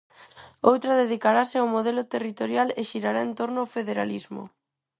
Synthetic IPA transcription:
owt̪ɾaðeðikaɾasɪawmoðelʊt̪erit̪oɾjaleʃiɾaɾaẽnt̪oɾnʊofeðeɾalizmʊ̰

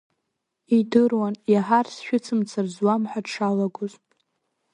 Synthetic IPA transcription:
idɨrwanjaħarsʃᶣʊt͡sʰɨmt͡sʰarzwamħʷadʂʰalaɡʷʊzʼ

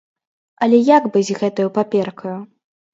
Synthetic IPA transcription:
ɐlʲɛjaɡbɨzʲɣɛt̪ɐjupapʲɛrkʰɐju

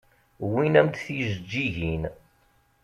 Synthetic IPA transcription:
winæmt̪θiʒəd͡ʒːiʝin

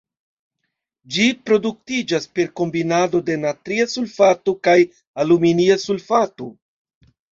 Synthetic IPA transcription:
d͡ʒipɾo̞duk̚tid͡ʒaspe̞ɾko̞mbinado̞de̞natɾiasulfatukaj | aluminiasulfato

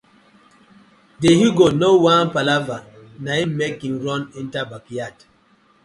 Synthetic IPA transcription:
deɦiɡonowãnpalavanaimmekinɾɔnĩntabakijat

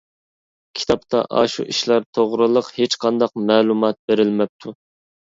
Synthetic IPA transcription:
kʲʰi̥t̪ʰɑpt̪ʰɑ̰ʔɑ̰ʃṵʔiʃlæɾt̪ʰoʁɾɨlˠəqhet͡ʃqʰɑnd̪ɑq̚mɛːlˠumɑt̪̚beɾɪlmɛp̚t̪ʰu

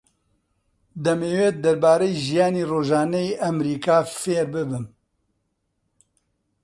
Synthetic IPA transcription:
d̪ɐmeːweːd̪ɐɾbaːɾɛjiʒijaːniːroːʒaːnɛjiʔɐmɾiːkaːfeːɾbɨbɨn

